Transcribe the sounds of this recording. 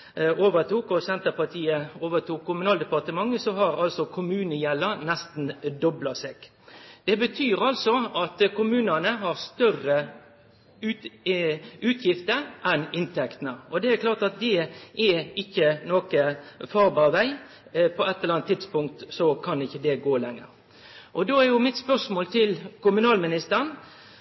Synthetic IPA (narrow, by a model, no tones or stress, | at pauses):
ʔoːʋət̪ʰuːkɔsɛnt̪əɾpɑt̪ʰiːəoːʋət̪ʰuːkʰːʊmʉnɑːld̪ɛpɑʁt̪əmɑŋːəsɔɦɑɾɑlsɔkʰʊmʉːnəjɛlːəɾnɛst̪n̩d̪ɔblɑseːɡ̥ | d̪̥ɛbət̪ʰyːɾɑlsɔɑt̪kʊmʉːnənəɦɑɾst̪œrə | ʉ | ʉːt̪ʰjɪft̪əɾʔɛnɪnt̪ʰɛkt̪ənəɔd̪ɛækʰlɑːʁt̪ɑt̪̚d̪ɛʔɛɪçːənoːkəfɑːʁbɑːʁʋæɪ | pʰɔɛt̪ːɛlɑnt̪ʰːɪd̪spʊŋk̚t̪sɔkʰɑnɪçːəd̪ɛɡoːlɛŋːə̰ɾ | ʔɔd̪oːæʁjʊmɪt̪spœʁʂmoːlt̪ʰɪlkʊmʉnɑːlmɪnɪst̪əɾən